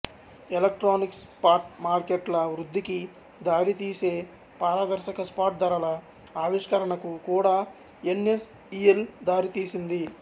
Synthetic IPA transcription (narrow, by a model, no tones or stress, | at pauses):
elek̚ʈɾoːniks | paːʈmaːɾkeʈlɐʋɾud̪ʱːiki | d̪aːɾit̪iːse̞ː | paːɾɐd̪ɐɾʃɐkɐspaːʈ̚d̪ɐɾɐlɐ | aːʋiʂkɐɾɐɳɐkukuːɽaː | enes | ijeld̪aːɾit̪iːsind̪i